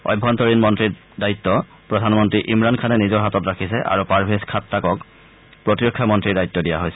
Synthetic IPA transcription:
ɔ̰jbʱːɔntɔɹinmɔntɹi | daitːɔ | pɹɔdʱanmɔntɹiʔimɹankʰanɛnizɔɹɦatɔtɹakʰisɛʔa̰ɹupaɹbʱeskʰatːakɔk | pɹɔtiɹɔkʰːamɔntɹiɹdajtːɔdija̰ɦojsɛ̥

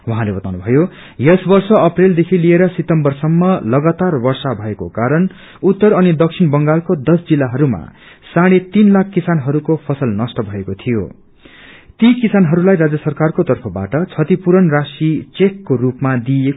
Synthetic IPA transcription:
waɦãlebʌt̪awnubʱʌjo | jʌsbʌrsʌʌpreld̪ekʰilieɾʌsit̪ʌmbʌrsʌmːʌlʌɡat̪arbʌrsabʱʌeko̰kaɾʌn | ut̪ːʌɾʌnid̪ʌksʰinbʌŋɡalkod̪ʌsd͡zilːaɦʌɾuma̰ | saɽ̃et̪inlakʰkːisanɦʌɾukopʰʌsʌlnʌsʈʌbʱʌekot̪ʰijo̰ | t̪ikisanɦʌɾulajɾad͡zjʌsʌrkarkot̪ʌrpʰʌba̰ʈʌt͡sʰʌt̪ipuɾʌnrasit͡sekːorupmad̪ie

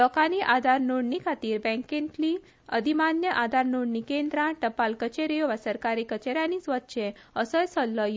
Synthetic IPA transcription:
lɔkaniʔad̪ʱaɾnoɽnikʰat̪iːɾbɛ̃ŋkenkli | əd̪ʱimanjəʔad̪ʱaɾnoɽnikend̪ɾãʈəpalkət͡ɕeɾijoʋasəɾkaɾikət͡ɕeɾjanisʋət̪ːɕʰe | əsəjsɔlːɔj

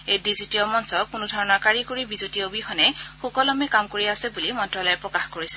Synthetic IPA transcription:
ejdizitijɔmɔnsɔkʊnʊdʱɔɹɔnakaɹikoɹibizutiobixɔnɛxukɔlɔmɛkamkoɹiasɛbulimɔntɹalɔjɛpɹɔkaxkoɹisɛ̥

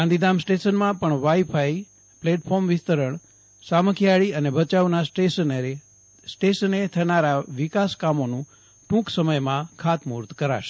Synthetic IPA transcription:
ãnd̪id̪amsʈeʃənmãpəɳʋajfʰaj | pleʈpʰɔɾmʋɪst̪əɾəɳ | saməkʰijaɭiənebʱət͡ʃaʋnaeən | sʈeʃənet̪ʰənaɾaʋikaskamonũ | ʈũksəməjmãkʰat̪muɾt̪kəɾa̰ʃe̥

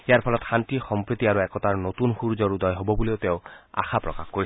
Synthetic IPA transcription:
ijaɹpʰɔlɔtxʰantixɔmpɹit̪iaɹuɛkɔtaɹnot̪unxuɹzɔɹud̪ɔjɦobɔbuleoʊteʊ̃a̰xʰapɹɔkaxkoɹi

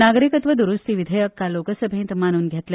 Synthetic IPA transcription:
naɡɾikət̪ʋəd̪uɾust̪iʋid̪ʱəjəkːalokəsəbʱẽːnt̪mañuːnɡʱjet̪le

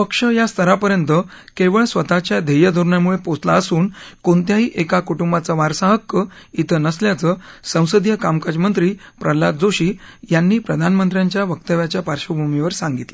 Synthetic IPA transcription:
pəkʂəjast̪ʰəɾapəɾjənt̪ə | keʋəɭsʋət̪at͡ɕjad̪ʱejəd̪ʱuɾɳjamuɭepot͡slaəsuːnkont̪jaɦiːʔekakuʈumbat͡səʋaɾsaɦəkːəit̪ʰənəsljat͡səsə̃w̃səd̪ʱjəkamkad͡ʑmənt̪ɾiːpɾʔəlat̪̚d͡zoɕiːjanːiːpɾəd̪ʱanmənt̪ɾjaɲt͡ɕjaʋək̚t̪əʋjat͡ɕjapaɾɕəbʱumiʋəɾsaŋɡit̪le

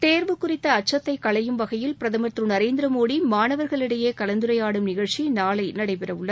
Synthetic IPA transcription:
t̪eːɾʋɯkːʊrɪt̪ːɐːʈ̚t͡ʃːɐt̪ːɐɪkːɐɭɐjɯmʋɐɣɐjɪlpɪɾɐðɐmɐt̪rɯnɐɾeːnd̪ɪɾɐmoːɽimaːnɐʋɐɾɣɐɭɪɽɐjeːkɐlɐnd̪ɯɾɐjaːɽɯmnɪɣɐɭt͡ʃinaːɭɐɪnɐɽɐɪpɛɾɐʋɯɭːɐ

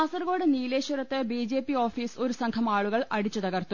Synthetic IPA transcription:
aːsɐrɣɡo̞ːɽɨniːleːɕɐɾɐt̪ːɨbiːd͡ʑe̞ːpːio̞ːfiːso̞ɾusɐŋkʰɐmaːɭuɣɐɭɐɽit͡ɕːut̪ɐɣɐrt̪u

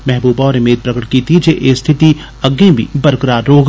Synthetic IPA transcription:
mɛɦbuːbɔːɾɪmeːd̪̚pɾɐkəʈ̚kiːt̪id͡ʒeʔeːst̪ʰɪt̪i | ɐɡẽbʱḭbɐɾkɾaːɾoːɡ

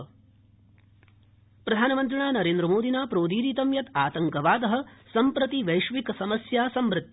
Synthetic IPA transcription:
pɾɐd̪ʱaːnɐmɐnt̪̬ɾɐɳaːnɐɾeːnd̪ɾɐmoːd̪ʱinaːpɾoːd̪iːɾiːt̪ɐmjɐt̪aːt̪ɐŋkɐʋaːd̪ɐɦɐ̆sɐmpɾɐt̪iʋɐjʃʋikɐsɐmɐsjaːsɐmʋɾɪt̪ː

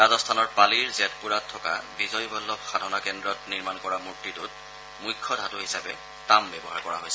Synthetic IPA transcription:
ɹazɔstʰanɔɹpaliɹzɛtpuɹatʰːɔka̰bizɔjbɔlːɔb̚xadʱɔnakɛndɹɔtniɹmankɔɹamuɹtːitʊt | mujkʰːɔdʱatʊɦisabɛ | tambɛbɔɦaɹkɔɹa̰ɦojsɛ

